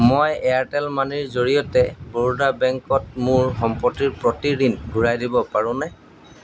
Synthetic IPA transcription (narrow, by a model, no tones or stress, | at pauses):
mojɛjaɹtɛlmaniɹzoɹijɔtɛboɹudabɛŋkɔt̚mʊɹxɔmpɔtiɹpɹotiɹinɡʱuɹajdibɔpaɹʊ̃nɛ